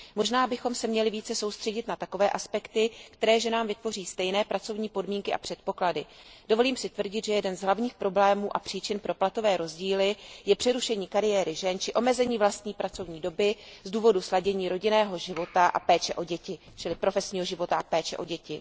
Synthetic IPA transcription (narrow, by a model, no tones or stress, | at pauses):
mo̞ʒnaːbɪxo̞msɛmɲɛlɪviːt͡sɛso̞wst̪r̥ɛɟɪt̪nat̪ako̞vɛːʔaspɛkt̪ɪkt̪ɛɾɛːʒɛnaːmvɪt̪vo̞riːst̪ɛjnɛːpɾʔat͡so̞vɲiːpo̞dmiːŋkɪʔa̰pr̝̥ɛt̪̚po̞kladɪd̥ovo̞liːmsɪt̪vr̩ɟɪt̪ʒɛjɛdɛnzɦlavɲiːxpɾo̞blɛːmuːʔapr̝̥iːt͡ʃɪnpɾo̞plat̪o̞vɛːɾo̞zɟiːlɪjɛpr̥ɛɾuʃɛɲiːkaɾɪjɛːɾɪʒɛnt͡ʃɪʔo̞mɛzɛɲiːvlast̪ɲiːpɾat͡so̞vɲiːdo̞bɪzduːvo̞duslaɟɛɲiːɾo̞ɟɪnɛːɦo̞ʒɪvo̞t̪aʔa̰pɛːt͡ʃɛʔo̞ɟɛcɪ | t͡ʃɪlɪpɾo̞fɛsɲiːɦo̞ʒɪvo̞t̪aʔapɛːt͡ʃɛ̰ʔo̞̰ɟɛcɪ